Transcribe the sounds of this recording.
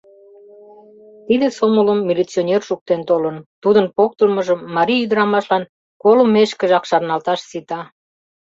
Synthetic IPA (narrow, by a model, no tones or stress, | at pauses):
t̪id̪esomələmːilʲit͡sionʲerʃuk̚t̪ent̪olənt̪ud̪ənpok̚t̪əlməʒəmːɑɾiyd̪əɾɑmɑʃlɑn | kolumeʃkə̆ʒɑkʃɑrnɑlt̪ɑʃsit̪ɑ